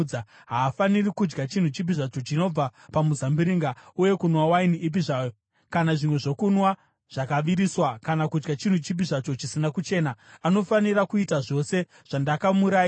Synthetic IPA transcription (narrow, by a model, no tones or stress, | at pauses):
a | ɦaːfanirikud͡ʒɡat͡ʃin̤ut͡ʃip̬iʐat͡ʃo̞t͡ʃino̞b͡vapamuzambiɾiŋɡauje̞kunwawainiʔːp̬iʐajo | kanaʐimwe̞ʐo̞kunwa | ʐ̥akaʋiɾiswakanakud͡ʒɡat͡ʃin̤ut͡ʃip̬iʐat͡ʃo̞t͡ʃisinakut͡ʃe̞ːnaano̞fanirakuitaʐo̞se̞ | ʐ̥andakamuɾaːi